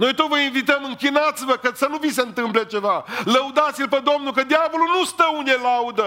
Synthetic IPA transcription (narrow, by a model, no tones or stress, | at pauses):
no̞jt̪ot̪vəinvit̪əmɨŋkʲinat̪sivəkəsənuviseɨnt̪ɨmple̞t͡ʃe̞valəud̪at̪silped̪o̞mnulkəd̪ʲjavo̞lulnust̪əune̞laud̪ə